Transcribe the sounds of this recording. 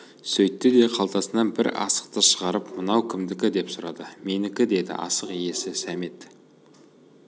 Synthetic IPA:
sɵjt̪ːɪd̪e̞qʰɑlˠt̪ɑsənɑnbɪɾɑ̰sə̥q̚t̪əʃəʁɑɾəpmənɑwkʲʰɪmd̪ɪkʲɪd̪e̞psʊɾɑd̪əme̞nɪkʲɪd̪e̞d̪ɪ̰ʔɑ̰səqije̞sɪsæme̞t̪

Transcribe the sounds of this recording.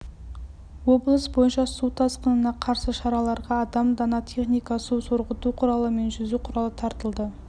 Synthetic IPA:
wo̞blˠəsbo̞jənʃɑsut̪ʰɑsqənənɑqʰɑɾsəʃɑɾɑlˠɑɾʁɑːd̪ɑmd̪ɑnɑt̪ʰe̞χnijkɑsusoɾʁət̪uqʰʊɾɑlˠəme̞nʒʏzuqʰʊɾɑlˠət̪ʰɑɾt̪əlˠd̪ə

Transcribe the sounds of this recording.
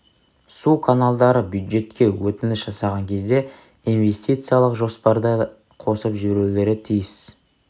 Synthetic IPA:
sukʰanalˠd̪ɑɾəbjud̪ʒe̞t̪kʲe̞wɵt̪ɪnɪsʒ̥ɑsɑʁɑŋkʲʰe̞zd̪e̞ | inve̞sʲt̪ʲijt̪sɨjalˠəqʒo̞spɑɾd̪ə | qʰo̞səpʒʏbɾulʲe̞ɾɪt̪ʰijɪs

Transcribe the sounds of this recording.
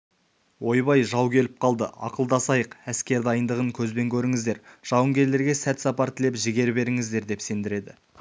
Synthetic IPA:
wo̞jbɑjʒɑwkʲʰe̞lɪp̚qʰɑlˠd̪əɑ̰qəlˠd̪ɑsɑjəqæskʲe̞ɾd̪ɑjənd̪əʁəŋkʲʰɵzbe̞ŋkʲʰɵɾɪŋɪzd̪e̞ɾʒ̥ɑwəŋɡʲe̞ɾle̞ɾɡʲe̞sæt̪sɑpɑɾt̪ʰɪle̞pʒɪɡʲe̞ɾbe̞ɾɪŋɪzd̪e̞ɾd̪e̞pse̞nd̪ɪɾe̞d̪ɪ

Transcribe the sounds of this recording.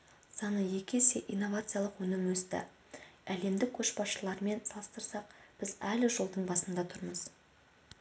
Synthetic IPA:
sɑnəje̞kʲe̞seʔijnːo̞vat̪sɨjalˠəqwɵnɪmwɵst̪ɪ̰ | æle̞md̪ɪkʲʰɵʃbɑsʃəlˠɑɾme̞nsɑlˠəst̪əɾsɑq̚b̥ɪzælɪʒolˠd̪əɴbɑsənd̪ɑt̪ʰʊɾməz̥

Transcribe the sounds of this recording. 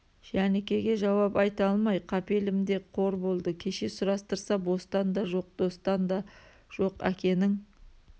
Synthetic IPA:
ʒ̥ænekʲe̞ɡʲe̞ʒɑwɑpɑjt̪ɑlˠmɑjqʰɑpe̞lɪmd̪e̞qʰo̞ɾbo̞lˠd̪əkʲʰe̞ʃe̞sʊɾɑst̪əɾsɑbo̞st̪ɑnd̪ɑʒo̞q̚d̪̥o̞st̪ɑnd̪ɑ | ʒ̥o̞qæ̰kʲe̞nɪŋ

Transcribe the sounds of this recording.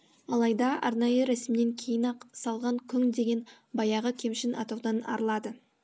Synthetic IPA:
ɑlˠɑjd̪ɑʔɑ̰ɾnɑjəɾæsɪmne̞ŋkʲʰe̞jɪnɑqsɑlˠʁɑŋkʲʰʏŋd̪e̞ɡʲe̞n | bɑjɑʁəkʲʰe̞mʃɪnɑ̰t̪ɑwd̪ɑnɑ̰ɾlˠɑd̪ə

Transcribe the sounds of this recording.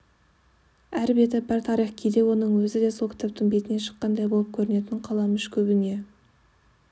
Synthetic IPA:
æɾbet̪ɪbæɾt̪ʰɑɾijχkʲʰejd̪e̞wo̞nəɴwɵzɪd̪e̞so̞lkʰʲɪ̥t̪ʰap̚t̪ɪŋbet̪ɪne̞ʃə̥qːɑnd̪ɑjbo̞lˠəp̚kʲʰɵɾɪne̞t̪ɪɴqʰɑlˠɑmʏʃkʲʰɵbɪne̞

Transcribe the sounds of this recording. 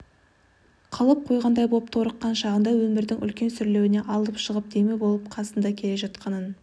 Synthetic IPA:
qʰɑlˠəp̚qʰo̞jʁɑnd̪ɑjbo̞p̚t̪ʰo̞ɾəqːɑnʃɑʁənd̪ɑwɵmɪɾd̪ɪŋʔʏ̰lkʲe̞nsʏɾle̞wɪne̞ʔɑlˠəpʃəʁəp̚d̪̥emebo̞lˠəp̚qʰɑsənd̪ɑkʲʰe̞le̞ʒɑt̪qɑnən

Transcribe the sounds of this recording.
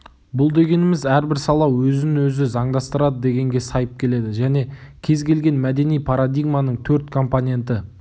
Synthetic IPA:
bʊlˠd̪e̞ɡʲe̞nɪmɪzæɾbɪɾsɑlˠɑwwɵzɪnwɵzɪzɑɴd̪ɑst̪əɾɑd̪əd̪e̞ɡʲe̞ŋɡʲe̞sɑjəp̚kʲʰe̞le̞d̪ɪʒæne̞kʲʰe̞zɡʲe̞lɡʲe̞nmæd̪e̞nijpʰɑɾad̪ijɡmanəɴt̪ʰɵɾt̪kʰo̞mponʲe̞nt̪ɪ

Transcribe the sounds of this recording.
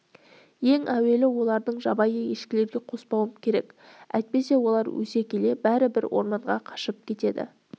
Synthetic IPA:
je̞ŋʔæwe̞lɪwo̞lˠɑɾd̪əɴʒɑbɑjəje̞ʃkʲɪle̞ɾɡʲe̞qʰo̞spɑwəmkʲʰe̞ɾe̞kæ̰jt̪̚pe̞se̞wo̞lˠɑɾwɵ̰se̞kʲʰe̞le̞bæɾɪbɪɾwʔo̞̰ɾmɑɴʁɑqʰɑ̥ʃəp̚kʲʰe̞t̪e̞d̪ɪ̰

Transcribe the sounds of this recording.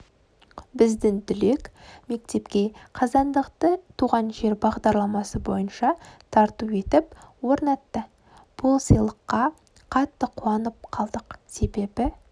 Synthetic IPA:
bɪzd̪ɪŋd̪ʏle̞kme̞k̚t̪e̞pkʲe̞qʰɑzɑnd̪əqt̪ət̪ʰuʁɑnʒe̞ɾbɑʁd̪ɑɾlˠɑmɑsəbo̞̰jənʃɑt̪ʰɑɾt̪ue̞t̪ɪpwo̞ɾnɑt̪ːə | b̥ʊlˠsijlˠəqːɑ | qʰɑt̪ːəqʰuɑnəp̚qʰɑlˠd̪əqse̞be̞bɪ

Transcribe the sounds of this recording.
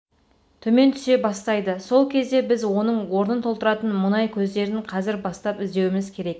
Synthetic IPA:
t̪ʰɵme̞nt̪ʰʏ̥se̞bɑst̪ɑjd̪əso̞lˠkʲʰe̞zd̪e̞bɪzwo̞nəɴwo̞ɾnənt̪ʰolˠt̪əɾɑt̪ənmʊnɑjkʲʰɵzd̪e̞ɾɪnqʰɑzɪɾbɑst̪ɑpɪzd̪e̞wɪmɪzkʲʰe̞ɾe̞k

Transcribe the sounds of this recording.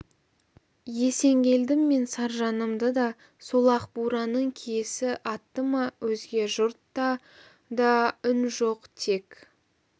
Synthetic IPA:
je̞se̞ŋɡʲe̞ld̪ɪmːe̞nsɑɾʒɑnəmd̪əd̪ɑ | solˠɑqbuɾɑnəɴkʲʰejsɪʔɑt̪ːəmɑwɵzɡʲe̞ʒʊɾt̪ːɑ | d̪ɑʏnʒo̞qt̪ʰe̞k

